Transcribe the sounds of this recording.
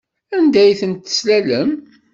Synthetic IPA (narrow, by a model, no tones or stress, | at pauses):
ænd̪æjθənt̪ːə̥slæləm